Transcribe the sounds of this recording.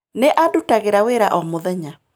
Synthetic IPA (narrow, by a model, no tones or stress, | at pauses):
neʔadutaɣeɾaweɾaʔɔmoðɛɲa